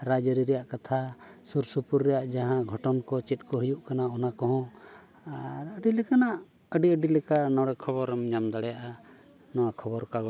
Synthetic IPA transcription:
ɾad͡ʒəɾiɾɛjaʔkat̪ʰasuɾsupuɾːɛjaʔd͡ʒaɦãɡʱɔʈɔnkɔt͡ʃɛt̪̚ˀkɔɦəjuʔkanaɔnakɔɦɔ̃ | aɾəɖilɛkanaʔ | əɖiəɖilɛkanɔɽɛkʰɔbɔɾmɲamd̪aɽɛjaʔa | nɔwakʰɔbɔɾkaɡɔ

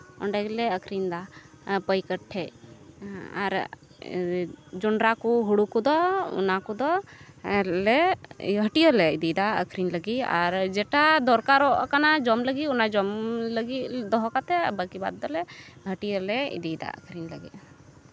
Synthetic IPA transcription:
ɔ̰ɳɖɛɡlɛəkʰɾind̪a | pəjkəʈʰːɛʔ | a̰ɾ | d͡ʒɔɳɖɾakuɦuɽukud̪ɔṵnakud̪ɔɛlɛɦəʈiəlɛid̪id̪aə̰kʰɾinləɡia̰ɾd͡ʒɛʈad̪ɔɾkaɾɔʔkanad͡ʒɔmləɡiunad͡ʒɔmləɡid̪ɔɦɔkat̪ɛbəkiba̰d̪̚ːɔlɛɦəʈijəlɛḭd̪id̪a̰ə̰kʰɾinləɡɛ̰

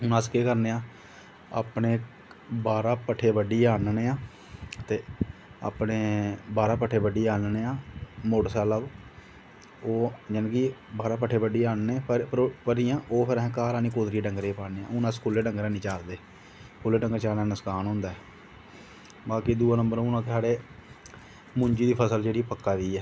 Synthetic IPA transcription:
ʊnãːskeːkəɾneːãː | a̰ːpneː | baːɾaːpəʈʰːeːbəɖiːaːnneːãː | t̪eːa̰ːpneːbaːɾaːpəʈʰːeːbəɖiːaːnneːãːmoɖsaːləb | oːd͡ʒənkibaːɾãːp̬əʈʰːeːbəɖiːaːnːẽːpəɾijãːʔoːpʰɪɾɛ̃ːkaːɾaːnĩːkoːd̪ɾiːɖəŋɡɾeːpaːneːã̰ːʊnãːskʰʊlːeːɖəŋɡɾãːnĩːt͡ʃaːɾd̪eː | kʰʊlːeːɖəŋɡt͡ʃaːɾnaːnəskaːnɦʊ̃ːnd̪aːɛː | baːkid̪uːãːnəmbəɾõʊnãːkɪsaːɽeː | mʊ̃ɲd͡ʒiːd̪iːpʰəsəld͡ʒeːɽiːpəkːaːʋiːɛː

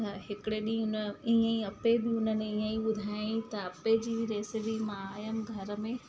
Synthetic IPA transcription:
ɐɦɪkɪɽeɗĩʊniə̃ĩɐpebɪʊnəneiːə̃ĩɓʊd̪ʱaːjĩt̪ɐɐped͡ʑiːɾeːsɪpimãaːjəmɡʱɐɾə̆mẽ

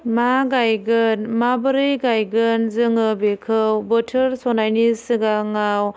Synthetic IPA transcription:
maɡajɡɯnmabəɾɯjɡajɡɯnzɯŋɯbekʰɯwbətʰɯɾsɔnajnisɯɡaŋaw

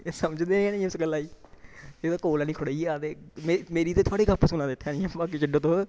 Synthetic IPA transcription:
səməd͡ʒd̪eːnɛ̃ːnĩːsɡəlːaːiː | eːd̪aːkoːlaːnĩːkʰʊɽaiaːt̪eːmemeːɾiːt̪eːt̪ʰaːɽiːkəpʰːəsʊnãːd̪ɪt̪ʰːaːnĩːãːbaːkiːt͡ʃɪɖõːt̪õː

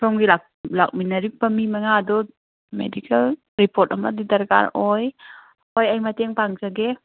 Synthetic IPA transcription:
pʰɔmɡilak̚lak̚minaɾipamimaŋadɔ | mḛdikʰal | ɾipʰɔt̚amadidaɾɡa̰ɾɔj | ɔjajmat̪ɛŋpaŋsaɡe

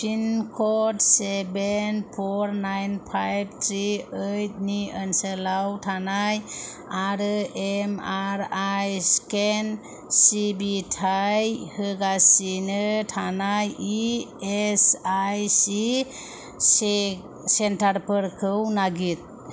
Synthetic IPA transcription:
pʰinkʰɔtsebenpʰɔɾnajnpʰajb̚t̪ʰɾiəjt̚niənsəlawtʰanaj | aɾɯʔemaɾajsken | sibitʰajhɯɡasinɯtʰanajiesajsi | s | sentaɾpʰəɾkʰɯwnaɡit̪̚

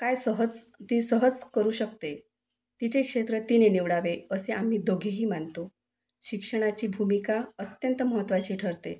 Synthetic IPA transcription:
kajsəɦəd͡zt̪isəɦəd͡zkəɾuːɕək̚t̪e | t̪it͡ɕekʂet̪ɾət̪ineniʋɽaʋeəseʔam̤iːd̪oɡʱiɦiːmant̪o | ɕikʂəɽ̃at͡ɕiːbʱumikaət̪jənt̪əməɦət̪ːʋat͡ɕiːʈʰəɾt̪ḛ

